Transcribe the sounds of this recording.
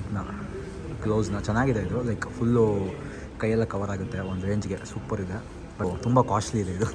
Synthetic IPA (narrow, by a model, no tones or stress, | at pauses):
nɐ | kloːznɐt͡ʃɛnːaːɡid̪eid̪ulɐjkpulː | kɐjːɛlːɐkɐʋɐɾaːɡut̪ːeond̪uɾeɲd͡ʒɡesuːpɐɾid̪e | bɐt̪umbɐkaːʃliːd̪eid̪u